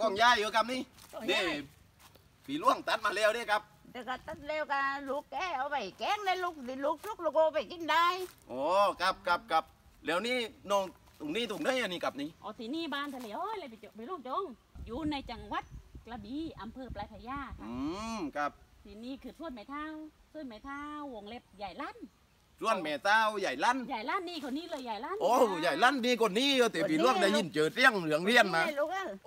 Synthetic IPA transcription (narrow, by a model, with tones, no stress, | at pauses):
kɔː˧˩ŋjaː˧˩˨jːoː˧˦ka˧˥p̚niː˧˥˨neː˧˩ | piː˨˦lu˧˥˩əŋt̪a˧˦t̪̚maː˧lɛː˧˨wdeː˧˩ka˧˥p̚tɛː˧˩wka˧˩t̪a˧˥t̪̚lɛː˧wka˧˩lu˧˦˥kːɛː˧˥˩ʔa˧˩wpa˨˩jkɛː˧˥˨ŋda˧˨lu˧k̚t̪i˧lu˧˦˥k̚lu˧˩k̚lu˧ko˧pa˨˩jki˧˨nda˧jʔɔː˨˧˦ka˧p̚ka˧p̚ka˧p̚ | lɛː˨˦wniː˧˥˨nɔː˧˨ŋ | t̪u˨˩ŋniː˧˥˨t̪u˨˩ŋnɯ˧˥˨jʔa˧˩niː˧˨ka˧˦p̚niː˧˨ʔɔː˨˧˩t̪ʰiː˧˦niː˧˩˨baː˧nt̪ʰa˧li˧˨˦əwʔoː˧˥˨jla˧˨pa˨˩o˧˨pa˨luː˧˩k̚t͡ɕo˧˦˨ŋ | juː˧˦na˧jt͡ɕa˧˩ŋwa˧˦t̪̚kla˧biː˨˧˦ʔa˧˦mpʰɤː˧plaː˧˩pʰa˧jaː˧˩kʰa˧ɯː˧kʰa˧p̚t̪ʰiː˨˧˦niː˧˩kʰɯː˧˩p̚sʰu˧˥˨nma˨˧˦jt̪ʰaː˧˥˩wsu˧˨nma˨˧˩jt̪ʰaː˧˥wːo˨˧˦ŋle˧˥p̚ja˨˩jla˧˥˨n | su˧˥˨ənmɛː˨˩t̪aː˧˥˩wja˨˩jla˧˥˨nja˨˩jla˧˥˨nːiː˧˩kʰo˧˩niː˧˥˨lɤː˧˨jaː˨˩jla˧˥˨nʔoː˧˦ja˨˩jla˧˥˨nːiː˧˩ko˧˨nːiː˧˥˨jɤː˧˩t̪ɛː˨˦pi˨˦lu˧˥˨əŋd̪ɛː˧˦ji˧˩nt͡ɕɤː˨˩t̪̚ɾi˧˩˨əŋlɯ˧˦əŋli˧˩ənmaː˧lo˧ka˧˩